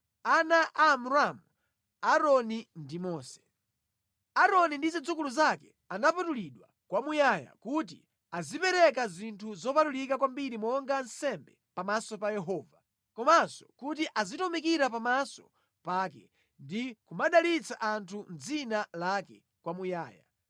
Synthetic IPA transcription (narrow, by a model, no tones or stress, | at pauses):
anaʔamuɾamu | aɾɔnindimɔːsɛ̥ | aɾɔnindizid͡zukuluzakɛ | anapatuliɗwa̰ | kwamujaja̰kut̬ḭ | azipɛɾɛkazintʰuzɔpatulikakwambiɾimɔŋɡansɛmbɛpamasɔpajɛɦɔːva | kɔmasɔ̥kut̬iʔazitɔmikiɾapamasɔ̥̰ | paːkɛ̰ | ndikumaɗalit͡sʰaʔantʰund͡zinalakɛ | kwamujaːja̰